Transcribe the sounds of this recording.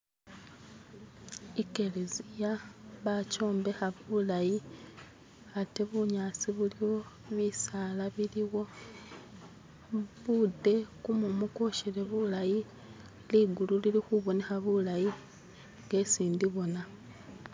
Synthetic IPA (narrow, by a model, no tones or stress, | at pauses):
ike̞lezijaβaco̞ːmbe̞xaβulaji | ate̞βuɲaːt͡siβuliwo̞ | βisalaβiliwo̞ | βude̞kumumuko̞ʃeɾe̞βulaji | liɡululilixuβo̞nexaβulaji | ŋɡe̞siːndiβo̞na